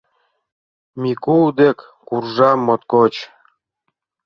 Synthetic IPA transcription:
mʲikuld̪ekːurʒɑmːot̪kot͡ɕ

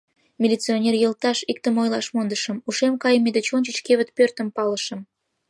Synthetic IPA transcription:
mʲilʲit͡sionʲerjəlt̪ɑʃik̚t̪əmojlɑʃmond̪əʃəmuʃemkɑjəmed̪et͡ɕonʲt͡ɕət͡ɕkeβət̪̚pørt̪əmpɑləʃə̆m

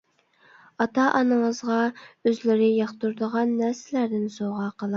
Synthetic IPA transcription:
ɑt̪ɑʔɑnəɴəzʁɑøzlɪɾɪjɑχt̪uɾd̪əʁɑnːæɾsɪlæɾd̪ɪnsoʁɑqʰəlˠ

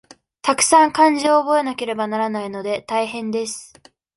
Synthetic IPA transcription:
t̪akɯ̟̥sãŋkãɲ̟d͡ʑioːbo̞e̞nake̞ɾe̞banaɾanaino̞d̪e̞t̪aihẽ̞nd̪e̞sɨ̥

